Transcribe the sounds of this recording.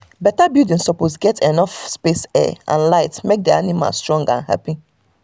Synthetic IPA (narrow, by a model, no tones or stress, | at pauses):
bɛtabjudĩnsɔposɡɛtʰenɔfspesɛ̰ʔã̰nlaɪtmek̚dɛanima̰lstɹɔ̃ŋɡã̰nha̰pi